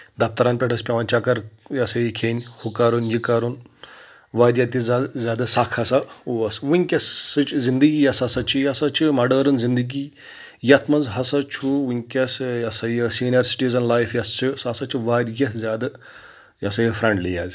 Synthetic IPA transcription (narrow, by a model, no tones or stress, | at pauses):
d̪ɐpt̪ɐɾaːnpʲeʈʰɐspʲɐʋɐnt͡ʃɐkɐɾjɐsɐjikʲʰeːnʲhʰukaɾunjikɐɾun | ʋaːɾʲjɐt̪izzʲaːd̪ɐsakʰɐsɐuɐsʋunʲkʲɐsɨt͡ʃzind̪ɨɡiːjɐsɐsɐt͡ʃʰijɐsɐt͡ʃʰimɐɖɐːɾɐnzind̪ɨɡiː | jɐt̪ʰmɐnzɦɐsɐt͡ʃʰuʋunʲkʲɐsjɐsɐjəsinɐɾsi̥ʈizɐnlajfjɐst͡ʃʰɨsɐsɐt͡ʃʰiʋaːɾjɐzʲaːd̪ɐ | jɐsɐjifɾɐɳɖlijaːzʲ